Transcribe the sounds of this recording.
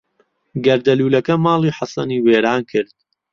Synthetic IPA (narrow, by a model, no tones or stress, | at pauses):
ɡɐɾd̪ɐluːlɐkɐmaːlˠiːħasɐniːweːɾaːnkʰɨɾd̪̥̚